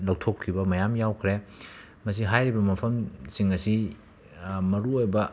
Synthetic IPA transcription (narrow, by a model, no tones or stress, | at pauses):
lɐwtʰokʰːibɐmɐjamjawkʰɾe | mɐs̬iɦajɾibɐmɐpʰɐmsiŋɐsi | mɐɾuojbɐ